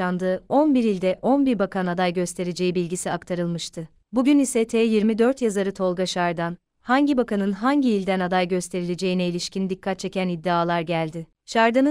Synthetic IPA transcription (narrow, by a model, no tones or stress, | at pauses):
and̪ɯːo̞nbiɾilʲd̪ɛʔo̞nbiɾbakʰanad̪ajɟø̞st̪ʰe̞ɾed͡ʒe̞jibilʲɟisiakt̪ʰaɾɯlˠmɯʃt̪ʰɯ | buɟynisɛt̪ʰɛːjiɾmid̪ø̞ɾt̪jazaɾɯt̪ʰo̞lˠɡaʃaɾd̪an | haɲɟibakanɯnɦaɲɟiːlʲd̪ænad̪ajɟø̞st̪ʰe̞ɾilʲed͡ʒe̞jinɛilʲiʃcʰind̪ikʰːat̪̚t͡ʃʰe̞cænid̪ːiaːlˠaɾɟælʲd̪ɪ | ʃaɾd̪ɯnɯ